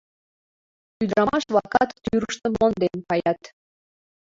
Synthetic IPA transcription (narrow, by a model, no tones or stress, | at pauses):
yd̪ɾɑmɑʃvɑkɑt̪ːyɾə̆ʃt̪ə̆mond̪enkɑjɑt̪